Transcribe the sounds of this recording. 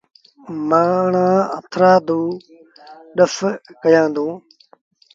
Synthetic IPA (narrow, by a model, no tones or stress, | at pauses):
maːɳãːət̪ʰɾaːd̪ũː | ɗəskəjãːnd̪ũː